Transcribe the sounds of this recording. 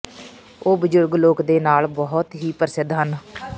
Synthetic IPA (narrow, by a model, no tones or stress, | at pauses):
oːbəd͡ʒʊɾɡloːkd̪eːnaːlbɔɦʊt̪ɦiːpəɾsɪd̪ɦən